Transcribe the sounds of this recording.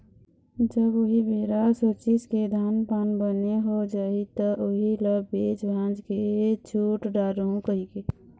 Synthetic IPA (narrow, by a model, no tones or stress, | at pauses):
d͡ʒəbʊɦibeːɾasot͡ʃisked̪ʱaːnpaːnbəneɦod͡ʒaːit̪əʔʊɦiləbbeːt͡ʃbʱãːd͡ʒket͡ʃʰuːʈɖaːɾoũkəikeː